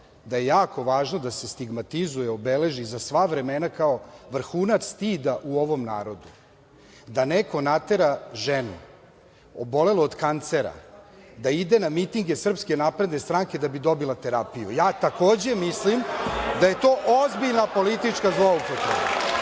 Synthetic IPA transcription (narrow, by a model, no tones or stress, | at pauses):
d̪aje̞jaːko̞ʋaːʒnod̪ase̞st̪iɡmat̪izujɛobele̞ʒizasʋaʋɾe̞menakao̞ʋr̩xuːnat̪sst̪id̪aʔuo̞ʋo̞mna̰ːɾo̞d̪u | d̪aneko̞nat̪e̞ɾaʒenṵ | obo̞le̞loːd̪kant̪se̞ɾa̰ | d̪aid̪e̞namit̪iŋɡesr̩pskenapɾe̞d̪nest̪ɾaŋke̞d̪abid̪o̞bilˠat̪e̞ɾapijṵjaːt̪ako̞ːd͡ʑe̞mislimd̪aje̞t̪o̞ːʔozbiʎnapo̞lit̪it͡ʂkazloaupot̪ɾeba